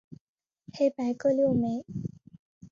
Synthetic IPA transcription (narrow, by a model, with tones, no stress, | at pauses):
hʰe˥˦pa˧˥ɪkɤ˥˧ljo˥˩˨me˨˧˦